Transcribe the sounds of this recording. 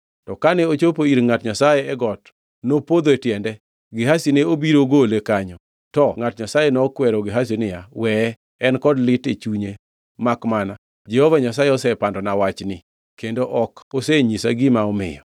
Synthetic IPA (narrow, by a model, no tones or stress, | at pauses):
tɔkanɛot͡ʃopoiɾŋatɲasajeɛɡɔt | nopod̪oetjɛndɛ | ɡɪɦasineobiɾoɡolekaɲɔ | tɔŋatɲasajenɔkwɛɾɔɡɪɦas̬inɪjawɛ | ɛnkɔdlɪtet͡ʃuɲe | makmana | d͡ʒɛhovaɲasajeɔsɛpandɔnawat͡ʃnɪ | kendoʔɔkoseɲisa̰ɡɪmaɔmɪ̰jɔ̰